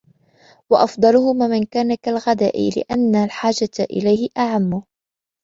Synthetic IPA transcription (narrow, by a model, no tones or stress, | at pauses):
wɑʔɑfd̪ˤɑlʊhʊmaːmɪnkaːnakalɣad̪a̰ːʔɪ̰lɪ̰ʔanːalħaːd͡ʒaʔɪ̰lajhɪʔaʕamːʊ